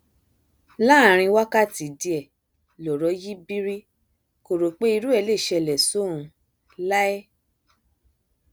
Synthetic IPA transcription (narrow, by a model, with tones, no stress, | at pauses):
la˦˨ɾ̃ĩ˧wa˦ka˦˨ti˨di˧ɛ˨ | lɔ˨ɾɔ˨˦ji˦bi˦ɾi˦ | ko˨ɾo˨k͡pe˦i˧ɾu˦ɛ˦˧˨le˦˨ʃɛ˧˨lɛ˨so˦ũ˧ | la˦ɛ˦